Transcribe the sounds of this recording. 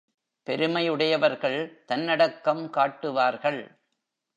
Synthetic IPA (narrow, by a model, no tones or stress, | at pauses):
pɛɾɯmɐjɯɽɐjɐʋɐɾɣɐɭt̪ɐnːɐɽɐkːɐmkaːʈːɯʋaːɾɣɐɭ